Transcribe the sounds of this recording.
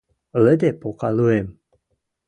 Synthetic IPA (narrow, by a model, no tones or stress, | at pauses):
ləd̪epoqaluem